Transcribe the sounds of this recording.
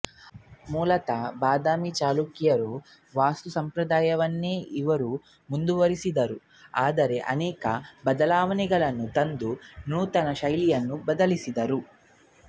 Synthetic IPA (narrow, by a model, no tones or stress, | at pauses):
muːlɐt̪ɐbaːd̪aːmit͡ʃaːlukijɐɾu | ʋaːst̪usɐmpɾɐd̪aːjɐʋɐnːeːiʋɐɾu | mund̪uʋɐɾisid̪ɐɾu | aːd̪ɐɾe̞ʔɐ̰nɛːkɐbɐd̪ɐlaːʋɐnɛɡɐɭɐnːut̪ɐnd̪unuːt̪ɐnɐʃɐjlijɐnːubɐd̪ɐlisid̪ɐɾu